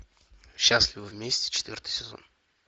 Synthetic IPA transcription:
ɕːasʲlʲɪvəvʲmʲesʲtʲɪ̥t͡ɕɪ̥t̪ʲvʲort̪ɨ̥jsʲɪzo̰n

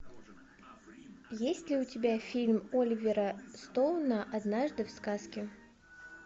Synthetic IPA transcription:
jesʲtʲlʲɪʊtʲɪbʲafʲilʲmolʲɪvʲɪɾəst̪olˠnəʔɐd̪naʐd̪ɨfskaskʲɪ

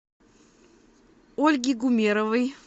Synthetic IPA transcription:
olʲɡʲiɡumʲeɾəvɨj

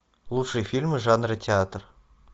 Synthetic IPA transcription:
lˠutʂɨjfʲilʲmʲɨʐɑnrɤtʲeat̪r

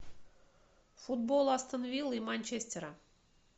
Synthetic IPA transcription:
fud̪̚bolˠɑst̪ənvʲilˠimanʲt͡ɕesʲtʲeɾə

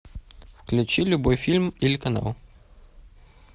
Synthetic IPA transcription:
fklʲut͡ʃilʲʊbɔjfʲilʲmilʲkɐna̰wˠ

